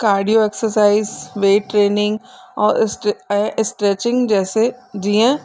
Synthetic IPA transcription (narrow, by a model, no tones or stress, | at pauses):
kaːɾɖijoeksəɾsaːizʋeːʈɾeːnɪ̃ŋɡɔːɾsʈɛ̃ːʔɪsʈɾeːt͡ʃɪ̃ŋɡd͡ʒɛːsed͡ʒiːã